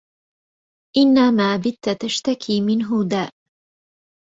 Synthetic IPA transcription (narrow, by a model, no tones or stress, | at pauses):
ʔɪnːamaːbɪt̪ːat̪aʃt̪akʰiːmɪnɦʊd̪aːʔ